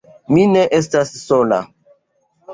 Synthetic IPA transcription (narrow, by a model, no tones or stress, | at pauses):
minɛʔestassola̰